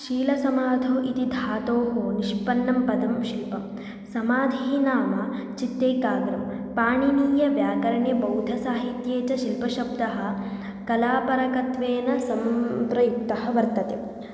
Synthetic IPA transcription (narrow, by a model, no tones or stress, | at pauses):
ʃiːlɐsɐmaːd̪ʱoːʔit̪id̪ʱaːt̪oːɦoniʃpɐnːɐmpɐd̪ɐmʃilpɐm | sɐmaːd̪ʱiːnaːmɐ | t͡ʃit̪ːeːkaːɡɾɐm | paːɳiniːjɐʋjaːkɐɾɐɳjɐbɐwd̪ʱɐsaːɦit̪jeːt͡ʃɐʃilpɐʃɐbd̪ɐɦɐ̆ | kɐlaːpɐɾɐkɐt̪ʋeːnɐsɐmpɾɐjuk̚t̪ɐɦɐ̆ʋɐɾt̪ɐt̪e